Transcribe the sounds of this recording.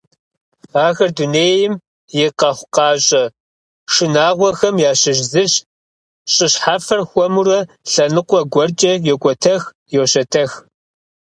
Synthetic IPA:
aːɣɐrduneːjɪm | jɪqɐχʷʊqɑːɕʼɐ | ʂɨnaːʁʷɔxɐmjaːɕɪʒzɨɕ | ɕʼɪɕħaːfɐrxʷɔmurɐ | ɬɐnɨqʷɔɡʷɔrt͡ʃʼɐjɛkʷʼɔtʰɐx | joɕɐtʰɐx

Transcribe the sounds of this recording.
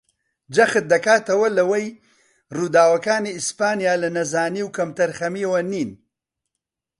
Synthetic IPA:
d͡ʒɐxɨt̪̚d̪ɐkaːt̪ɐwɐlɐwɐj | ruːd̪aːwɐkaːniispaːnijaːlɐnɐzaːniːwkɐmt̪ɐɾxɐmiːwɐniːn

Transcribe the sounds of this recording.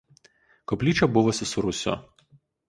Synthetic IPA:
kɔpʲlʲiːt͡ʃʲɛbʊʋɔsʲɪsʊɾʊsʲo̰

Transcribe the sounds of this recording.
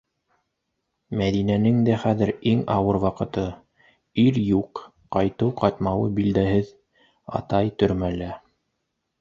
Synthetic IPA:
mæðinænɘŋd̪æχæðɘɾiŋɑwɤɾwɑqɤ̆t̪ɤ | iɾjuq | qːɑjt̪ɤwqɑt̪mɑwɤbild̪æhɘð | ɑ̰t̪ɑjt̪ɵ̆ɾmælæ

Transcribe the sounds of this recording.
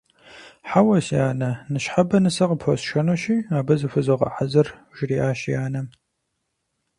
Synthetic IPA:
ħawɐsiaːnɐnɨɕħabɐnɨsɐqəpʰosʃɐnoʃiːaːbɐzɨfɨzoqɐ̰ħazɐrʒ̥ɪriːʔaːɕijaːnɐ

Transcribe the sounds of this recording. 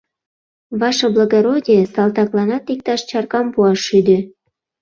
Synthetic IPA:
βɑʃɤ̆bloɣoɾodʲiesɑlt̪ɑklɑnɑt̪ik̚t̪ɑʃt͡ɕɑrkɑmpuɑʃyd̪ø

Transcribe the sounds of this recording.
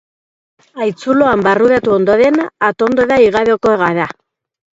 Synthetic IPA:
ajt͡sulo̞ambaruðat̪uo̞nd̪o̞ɾe̞naat̪o̞nd̪oðaiɣaðeoko̞eɣaða

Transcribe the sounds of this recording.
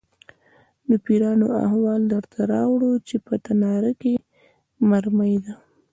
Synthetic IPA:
d̪əpiɾɑnoa̰hwɑld̪əɾt̪ʰaɾɑwɽut͡ʃepət̪anɑɾake | maɾməjd̪a

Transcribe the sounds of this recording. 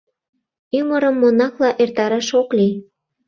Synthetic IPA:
yməɾəmːonɑklɑʔert̪ɑɾɑʃokli

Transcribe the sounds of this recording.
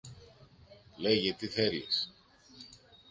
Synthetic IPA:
leʝet̪iθeɾjes

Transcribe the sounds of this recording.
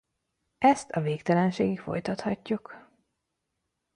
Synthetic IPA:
ʔɛst̪ʰɒveːkt̪ɛlɛnʃeːɡikfo̞̰jt̪ɒt̪hɒcːuk

